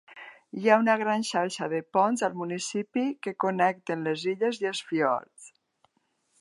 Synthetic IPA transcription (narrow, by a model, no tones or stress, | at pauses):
jaunaɣ̞ɾanʃaɾʃaðepɔnzalˠmunisipikekonɛk̚t̪enleziʎezielˠsfiɔ̰ɾt͡s